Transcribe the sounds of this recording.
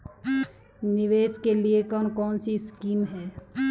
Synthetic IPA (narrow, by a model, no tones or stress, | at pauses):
nɪʋeːskeliekɔːnkɔːnsiskiːmɦɛː